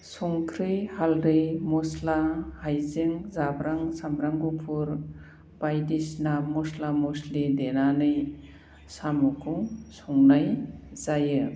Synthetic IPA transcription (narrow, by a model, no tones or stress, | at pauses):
sɔŋkʰɾɯjhalɾɯjmɔslahajzɯŋzabɾaŋsambɾaŋɡupʰuɾ | b̥ajdisnamɔslamɔslidenanɯj | samukʰusɔŋnajzajɯ